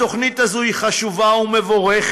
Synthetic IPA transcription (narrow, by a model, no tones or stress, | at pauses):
o̞χnit̪azohiχaʃuvaumevo̞ʁeχ